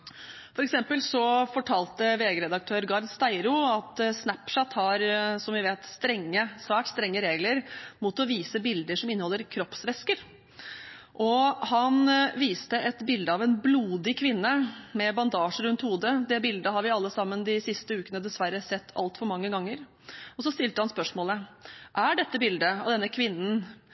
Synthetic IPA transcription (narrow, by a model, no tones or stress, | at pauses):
fɔɾɛksɛmpəlsɔfɔʈʰɑːlt̪əʋeːɡəɾɛd̪ɑk̚t̪ʰøːɾɡɑɾd̪st̪æɪɾʊɑt̪snæpʂæt̪hɑɾsɔmʋɪʋeːt̪st̪ɾɛŋːəsʋæːʈst̪ɾɛŋːəɾeːɡləɾmut̪ɔʋiːsəbɪld̪əʂɔmɪnːəhɔlːəɾkʰɾɔpsʋɛskəɾ | ʔɔhɑnʋiːst̪əʔɛt̪bɪld̪əɑʋɛnbluːd̪ɪkʰʋɪnːəmɛbɑnd̪ɑːʂəɾʉnt̪huːd̪əd̪ɛbɪld̪əɦɑɾʋɪɑlːəsɑmːənd̪ɪsɪst̪əʉːkənəd̪ɛsʋæɾːəsɛt̪ʰːɑ̰lt̪fɔɾmɑŋːəɡɑŋːəɾ | ɔsɔst̪ɪlt̪əhɑnspœʂmoːləʔæɖɛt̪ːəbɪld̪əɑʋd̪ɛnːəkʰʋɪnːn̩